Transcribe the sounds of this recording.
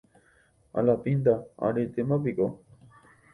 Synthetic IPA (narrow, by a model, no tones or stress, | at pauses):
a̰lapind̪aa̰ɾet̪emãpiko